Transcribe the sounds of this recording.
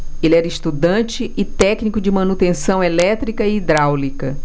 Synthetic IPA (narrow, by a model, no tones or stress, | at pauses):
elɛɾɐiʃt̪ud̪ɐ̃t͡ʃɪʔɪt̪ɛknikʊd͡ʒɪmɐ̃nut̪ẽsɐ̃w̃elɛt̪ɾikɐɪːd̪ɾawlikɐ